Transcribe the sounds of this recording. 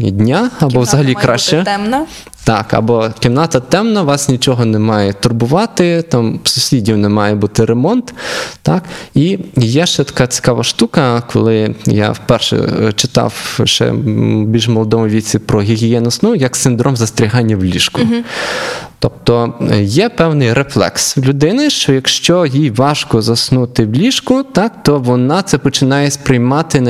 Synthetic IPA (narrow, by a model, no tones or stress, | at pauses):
d̪ʲnʲaɐbɔʋzɐɦɐlʲikɾaʃt͡ʃɛɛɐ | t̪ɑkɐ̰bɔkʲɪmnɑt̪ɐt̪ɛmnɐʋɑsnʲit͡ʃɔɦɔnɛmɑjɛt̪ʊrbʊʋɑt̪ɪt̪ɑmsʊsʲidʲiwnɛmɑjɛbut̪ɪɾemɔnt̪t̪ɑkijɛʃɛt̪ɐ̥kɑt͡sʲɪ̥kɑʋɐʃt̪ukɐkʰɔ̰lˠɪja̰fpɛrʃɛ̰t͡ʃɪt̪ɑ̰wʃɛ̰bʲilʲʒmɔlˠɔd̪ɔmɔʋʲit͡sʲipɾɔɦʲiɦʲijɛnʊsnujɐksɪnd̪ɾɔmzɐst̪ɾʲiɦɑnʲːɐwlʲiʃkʊ | t̪ɔp̚t̪ɔjɛpɛwnɪjɾeflˠɛ̰kswlʲʊd̪ɪnɪʃt͡ʃɔjɐkʃt͡ʃɔjijʋɑʃkɔzɐsnut̪ɪwlʲiʃkʊt̪ɑkt̪ɔʋɔnɑt̪sɛpɔt͡ʃɪnɑjɛspɾɪjmɑt̪ɪ